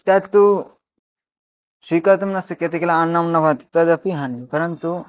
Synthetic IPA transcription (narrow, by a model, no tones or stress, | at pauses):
t̪at̪ːu | ʃikat̪umnɐst̪ɐkːet̪̬ikɐlaanːɐmnɐbʱat̪i̥t̪ːɐd̪ɐpiɦɐnjupɐɾɐnt̪u